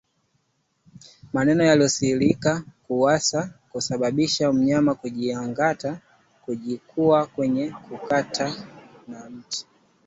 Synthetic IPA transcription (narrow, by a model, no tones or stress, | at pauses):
manɛnɔjaliɔsilikakuwasakusaɓaɓiʃam̩ɲamakuʄiaŋɡata | kuʄikʰuakwɛɲɛkʰukatʰanam̩ti̥